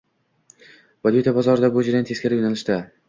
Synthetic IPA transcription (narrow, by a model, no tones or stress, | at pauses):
vad̪jut̪ʰabɒzɒɾɪd̪abod͡ʒɪɾant̪ʰeskʲaɾɪpjonalɪʃt̪a